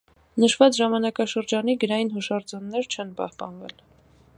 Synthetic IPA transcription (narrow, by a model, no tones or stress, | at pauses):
nəʃvɑt͡sʒɑmɑnɑkɑʃəɾd͡ʒɑniɡəɾɑjinɦuʃɑɾd͡zɔnːɛɾt͡ʃʰɛnpɑ̰hpɑ̰nvɛ̰l